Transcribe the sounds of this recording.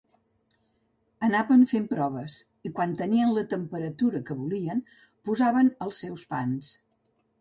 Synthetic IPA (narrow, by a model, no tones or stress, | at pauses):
ənaβəɱfempɾɔβəs | ikwant̪əniənlət̪əmpəɾət̪uɾəkəβuliən | puzaβənəlˠsːɛwspans